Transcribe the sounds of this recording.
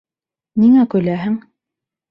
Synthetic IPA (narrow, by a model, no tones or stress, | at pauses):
niŋækɵ̆jlæɦɘŋ